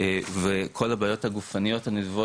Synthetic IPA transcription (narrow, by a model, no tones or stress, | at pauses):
vekʰo̞labaːjo̞thaɡufanijo̞thanidvo